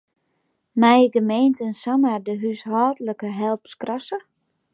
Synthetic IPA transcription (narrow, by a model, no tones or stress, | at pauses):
mɛjɡəmeːntənsamadəɦyshɔːtləkəɦɛlˠpskrɔsə